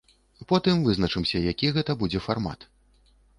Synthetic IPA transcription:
pɔt̪ɨmvɨznɐt͡ʂɨmsʲɐjakʲiɣɛt̪ɐbud͡zʲɛfarma̰t̪

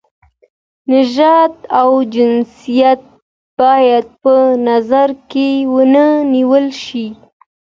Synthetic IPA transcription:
nɪʒɑt̪awd͡ʒɪnsijat̪̚ | b̥ɑjad̪̚pənazaɾkewənəniwəlʃi

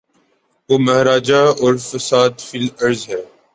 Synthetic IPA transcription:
ʋoːmɐɦɾaːd͡ʒaɔːɾfəsaːd̪fɪlɐɾzɦɛː

